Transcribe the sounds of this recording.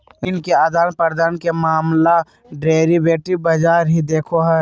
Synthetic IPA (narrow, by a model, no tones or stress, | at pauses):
inkead̪aːnpəɾd̪aːnkemaːmla | ɖeːɾibeːʈɪbəd͡ʒaːɾɦid̪eːkʰoɦɛ